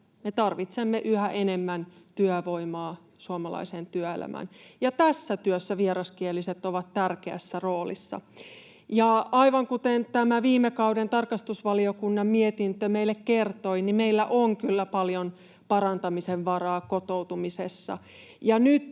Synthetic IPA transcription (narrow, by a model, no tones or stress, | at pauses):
met̪ɑrʋit̪semːeʔyhæʔenemːænt̪yæʋoimɑː | suomɑlɑ̰isent̪yœḛlæ̰mʔæ̰njɑt̪æsːæt̪yøsːæʋieɾɑskielːiset̪oʋɑt̪t̪ærkeæ̰sːæroːlḭsːɑ̰ | jɑɑiʋɑŋkut̪ent̪æmæʋiːmekɑudent̪ɑrkɑst̪usʋɑliokunːɑmmiet̪int̪ømeilːekkert̪oinimeilːæʔoŋkylːæpɑljon | pɑɾɑnt̪ɑmiseʋʋɑrɑːkot̪owt̪umisesːɑ̰ | jɑnyt̪